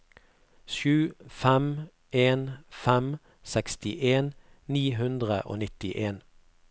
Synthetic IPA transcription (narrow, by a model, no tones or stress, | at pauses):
ʃʉːfæm | eːnfæm | sɛkst̪ɪʔeːn | niːɦʉnd̪ʁəʔo̰ːnɪt̪ɪʔeːn